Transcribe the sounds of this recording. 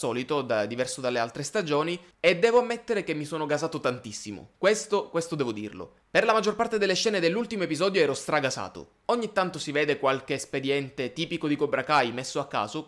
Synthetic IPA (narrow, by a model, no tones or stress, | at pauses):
sɔːlit̪od̪ad̪ivɛrsod̪alːealt̪ɾest̪ad͡ʒoːni | ed̪ːɛːvoamːet̪ːeɾekemːisoːnoɡazaːt̪ot̪ant̪isːimo̰kwest̪okwest̪od̪ɛːvod̪ḭːrlo̰ | perlamad͡ʒːorpart̪ed̪elːeʃɛːned̪elːult̪imoepizɔːd̪joɛːɾost̪ɾaɡasa̰ːt̪o̰ | oɲːit̪ːant̪osiveːd̪ekwalk̟eːsped̪jɛnt̪et̪iːpikod̪ikobɾakajmesːoakːa̰ːzo